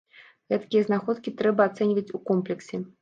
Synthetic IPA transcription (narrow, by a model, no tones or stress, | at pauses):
ɣɛt̪kʲijɐznaxɔt̪kʲit̪ɾɛbɐːt̪sɛnʲvɐt͡sʲukɔmplʲɛksʲɛ